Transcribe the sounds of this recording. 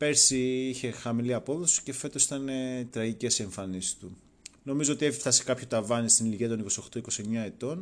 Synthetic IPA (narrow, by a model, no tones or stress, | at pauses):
pe̞ɾsiiçe̞xɐmiliɐpo̞ðo̞si̥ce̞fe̞t̪o̞si̥t̪ɐnet̪ɾɐʝice̞se̞ɱfɐnisi̥st̪u | no̞mizo̞o̞t̪ie̞fifθɐsi̥kɐpço̞t̪ɐvɐnist̪iniliʝiɐt̪o̞niko̞sio̞xt̪oiko̞sieɲɐe̞t̪o̞n